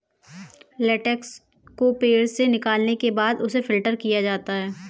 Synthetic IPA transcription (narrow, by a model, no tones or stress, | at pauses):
lɛːʈɛks | kopeːɾsenɪkaːlnekebaːd̪ʊsefɪlʈəɾkijad͡ʒaːt̪aɦɛː